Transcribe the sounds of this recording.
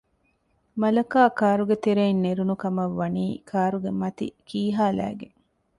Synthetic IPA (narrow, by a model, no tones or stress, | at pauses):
mɐlɐkaːkaːɾuɡet̪eɾeinːeɾunukɐmɐʋːɐniːkʰaːɾuɡemɐt̪ḭkiːɦaːlæ̰ːɡḛŋ